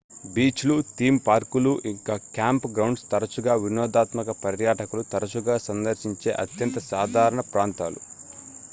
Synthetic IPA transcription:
biːt͡ʃlut̪iːmpaːɾkuluʔiŋkaːkjaːmpɡɾɐwɳɖst̪ɐɾɐt͡ʃuɡaːʋinɔːd̪aːt̪mɐkɐpɐɾjaːʈɐkulut̪ɐɾɐt͡ʃuɡaːsɐnd̪ɐɾʃiɲt͡ʃḛːʔɐ̰t̪jɐnt̪ɐsaːd̪ʱaːɾɐɳɐpɾaːnt̪aːlṵ

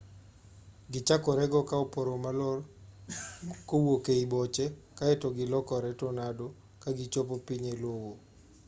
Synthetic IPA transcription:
ɡɪt͡ʃakɔɾɛɡɔkaopoɾomalɔr | kowokeibɔt͡ʃɛkaɛtɔɡɪlɔkɔɾɛtɔnado | kaɡɪt͡ʃop̬opiɲelwowo

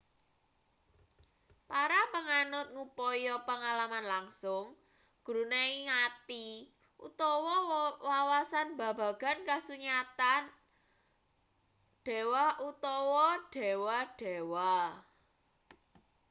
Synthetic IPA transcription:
paɾapəŋanʊt̪̚ŋupɔjɔpəŋalamanlaŋsʊŋ | ɡ̥uɾuneiŋat̪i | ʔṵt̪ɔwɔwawasanba̤bä̤ɡ̥a̤nkahsuɲat̪an | ɖ̥e̤wahʔut̪ɔwɔɖ̥e̤wahɖ̥e̤wa

